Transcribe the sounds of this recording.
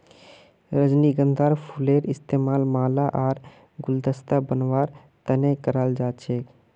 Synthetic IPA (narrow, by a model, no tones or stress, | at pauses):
ɾəd͡ʒniɡənd̪ʱaɾpʰuleɾɪst̪eːmaːlmaːlaʔaːɾ | ɡʊld̪əst̪abənʋaːɾ | t̪ənekəɾəld͡ʒat͡ʃʰek